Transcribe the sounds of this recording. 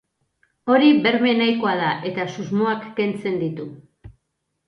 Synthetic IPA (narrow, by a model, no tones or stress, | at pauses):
o̞ɾiβe̞ɾme̞najko̞aðaʔe̞t̪asuzmo̞akːe̞nt͡se̞nd̪it̪u